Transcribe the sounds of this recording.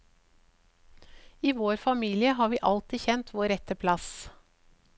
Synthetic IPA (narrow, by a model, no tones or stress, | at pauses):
iːʋoːɾfɑmiːlɪəɦɑːʋiːʔɑlt̪ɪçɛnt̪ʰʋoːɾɛt̪əpʰlɑs